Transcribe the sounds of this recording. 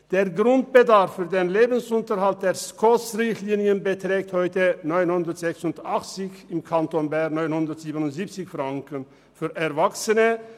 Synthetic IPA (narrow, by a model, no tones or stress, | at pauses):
d̪̥eːɾɡɾʊnt̪̚b̥əd̪aɾfːyːɾd̪eːnleːbən̩sʊnt̪əɾhalt̪̚d̪eːɾskʰɔsɾɪçt̪liːnɪənbət̪ɾeːk̚t̪hɔʏt̪ənɔʏnhʊnd̪əɾt̪z̥ɛksʊnd̪aχt͡sɪçɪmkʰant̪onbænɔʏnhʊnd̪əɾt̪z̥iːbənʊntzip̚t͡sɪçfɾaŋkən | fyːɾʔɛɾvaksənə